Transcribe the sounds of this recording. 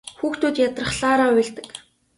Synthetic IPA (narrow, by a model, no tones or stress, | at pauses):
xuːxt̪ʰuːt̪jat̪rə̆χɮaːɾaːwiɮt̪ə̥̆k